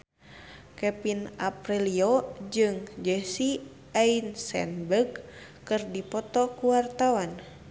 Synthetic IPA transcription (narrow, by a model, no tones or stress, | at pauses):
kɛpinaprɛliod͡ʒɨŋd͡ʒɛsi | ainsɛ̰nbəɡ | kɨrdipɔt̪ɔkuwart̪awan